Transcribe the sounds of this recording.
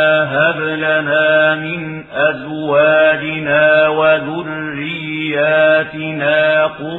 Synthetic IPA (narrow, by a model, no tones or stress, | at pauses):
ɦablanaːmɪn | ʔazwaːd͡ʒɪnaːwaðʊrːɪjːaːt̪ɪnaːqʊ